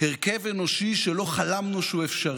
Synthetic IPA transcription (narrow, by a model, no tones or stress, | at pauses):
eʁkevenoʃiʃelo̞χalamnuʃuefʃa